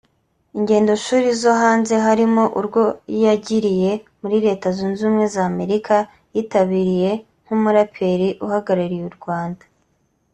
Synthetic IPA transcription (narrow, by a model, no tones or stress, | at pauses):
iɲɟe̞ːndo̞ʃuːɾizoɦaːnze̞ɦaɾimo̞ʔuɾɡwo̞jaɟiɾije̞muɾiɾe̞ːtazunzuːmŋe̞zaːme̞ɾikʰa | jiːtaβiɾije̞ | ŋ̥humuɾapʰe̞ɾiʔuhaɡaɾaɾijuɾɡwaːndḁ